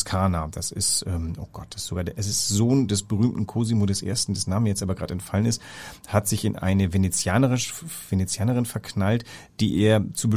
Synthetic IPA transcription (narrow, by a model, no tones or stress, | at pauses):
skʰaːnad̥asɪ̰stʔɛːmʔoːɡ̥ɔt̚d̥asɪ̥toɡaːdʔɛsɪstz̥oːndɛsb̥əʁyːmtn̩kʰoːzimoːdɛsʔḛːɐstn̩dɛsnaːmənjɛt͡stʔaːbɐɡʁaːtɛntfalənɪsthatz̥ɪçɪnʔa̰ɪnəvenet͡sjaːnəʁɪʃv̥enet͡sjaːnəʁ̞ɪnfɛɐkʰnaltd̥ḭːʔeːɐt͡suːbə